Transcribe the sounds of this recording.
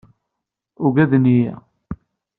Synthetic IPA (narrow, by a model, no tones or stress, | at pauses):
ʊɡæðnijæ